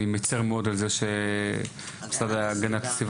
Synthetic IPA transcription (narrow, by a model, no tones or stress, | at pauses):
imet͡seʁmeo̞d̪alzeʃe | bsadaaɡanat̪ḁsiv